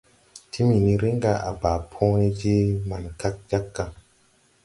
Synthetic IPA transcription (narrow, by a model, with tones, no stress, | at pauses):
tʰi˦mi˨ni˦ɾe˦ŋɡa˨ʔa̰˨ba˨pʰõ˦e˦d͡ʒi˦ma˨nka˦k̚d͡ʒa˦kːa˨